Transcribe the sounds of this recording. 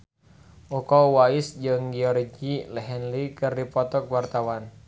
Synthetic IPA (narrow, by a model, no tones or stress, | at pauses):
ʔukɔwaisd͡ʒɨŋɡiɔɾd͡ʒilɛɦɛnlikɨrdipɔt̪ɔk̚wart̪awan